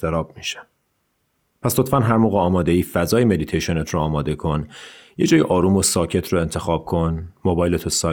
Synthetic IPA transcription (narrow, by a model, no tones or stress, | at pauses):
t̪eɾɒːbmiʃæ̥ | pʰæslot̪fænɦæɾmoːɣeɒːmɒːd̪e̞iːfæzɒːjeme̞d̪it̪ʰejʃo̞net̪ʰroɒːmɒːd̪e̞kʰo̞njed͡ʒɒːjiʔɒːɾuːmosɒːcʰe̞t̪ʰroe̞nt̪ʰe̞xɒːb̥̚kʰo̞nmobɒːjlet̪ʰosɒː